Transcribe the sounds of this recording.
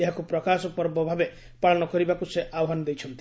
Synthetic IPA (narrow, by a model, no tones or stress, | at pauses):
eɦakupɾɔkasɔpɔɾbɔbʱabe | paɭɔnɔkɔɾibakuseʔawɔɦanɔd̪ejt͡ʃʰɔnt̪i